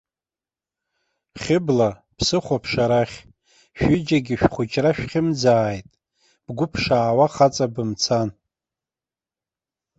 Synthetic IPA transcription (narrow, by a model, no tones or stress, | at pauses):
χʲɪbla | pʰsɨχʷapʰʂaɾaχʲ | ʃᶣɪd͡ʒaɡʲɪʃᶣχʷʊt͡ʃʼraʃᶣχʲɪmd͡zaːjtʼ | b̥ɡʷʊpʰʂaːwaχat͡sʼabɨmt͡sʰan